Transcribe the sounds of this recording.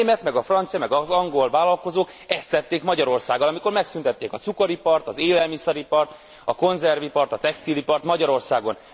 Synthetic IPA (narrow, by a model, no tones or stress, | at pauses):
mɛt̪mɛɡɒfrɒnt̪sijɒmɛɡɒzɒŋɡo̞lvaːlɒlko̞zoːk | ɛst̪ːɛt̪ːeːkmɒɟɒɾo̞rsaːɡɒlɒmiko̞rmɛksynt̪ɛt̪ːeːkɒt̪sukoɾipɒrt̪ɒzeːlɛlmisɛɾipɒrt̪ | ɒko̞nzɛrvipɒrt̪ɒt̪ɛkst̪ilipɒrt̪mɒɟɒɾo̞rsaːɡo̞n